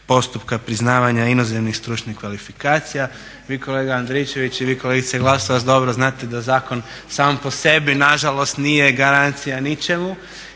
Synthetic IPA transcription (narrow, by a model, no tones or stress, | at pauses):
po̞st̪upkapɾiznaːʋaɲainozemnixst̪ɾuːt͡ʃnihkʋalifikaːt̪sija | ʋiːko̞le̞ːɡaand̪ɾet͡ʃe̞ʋit͡ɕiʋiːko̞leɡit̪seɡlˠasoʋat̪d̪o̞bɾoznaːt̪ed̪azaːko̞n | saːmpo̞se̞binaʒalo̞st̪nijeɡaɾant̪sijanit͡ʃe̞mu